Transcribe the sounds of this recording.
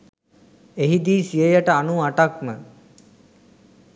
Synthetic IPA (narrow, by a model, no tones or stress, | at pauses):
eɦid̪iːsijəjaʈəanuaʈak̚mə